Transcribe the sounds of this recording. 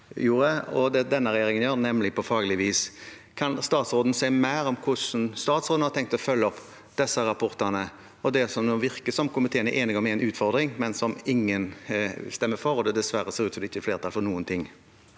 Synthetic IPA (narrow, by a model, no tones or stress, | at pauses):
juːɾəɔd̪ɛd̪ɛnːəɾɛjeːɾɪŋənjøːɾnɛmlɪpʰɔfɑːɡəlɪʋiːs | kʰɑnst̪ɑːt̪sɾoːd̪n̩sæɪmæɪɾɔmkʰʊʂnst̪ɑːt̪sɾoːd̪n̩hɑɾt̪ɛŋk̚t̪ɔfœlːəɔp | d̪̥ɛsːəɾɑpʰɔɾt̪ənə | ɔd̪ɛsɔmoːʋɪɾkəsɔmkʊmɪt̪ʰeːənəʔeːnɪɡɔmæɪnʉːt̪fɔɾd̪ɾɪŋmɛnsɔmɪŋːənɪst̪ɛmːəfɔɾɔd̪ɛd̪ɛsʋæɾəseːɾʉːt̪sɔmd̪ɛɪçːəfleːɾt̪ɑlfɔɾnuːənt̪ʰɪŋː